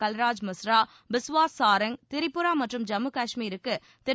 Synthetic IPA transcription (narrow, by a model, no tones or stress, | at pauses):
kɐlɾaːd͡ʒmɐsɾaː | bɪsʋaːsːaːɾɐŋt̪ɪɾɪpːɯɾaːmɐʈrɯmd͡ʒɐmɯkaːʂmiːɾɯkːɯ | t̪ɪ